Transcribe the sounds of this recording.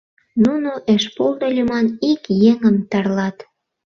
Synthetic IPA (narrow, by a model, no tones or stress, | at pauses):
nunoʔeʃpold̪olʲemɑnikjeŋəmt̪ɑrlɑt̪